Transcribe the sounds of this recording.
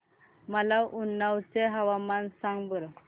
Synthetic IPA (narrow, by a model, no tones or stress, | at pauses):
məlaʔunːawt͡seɦaʋamansaŋɡbəɾ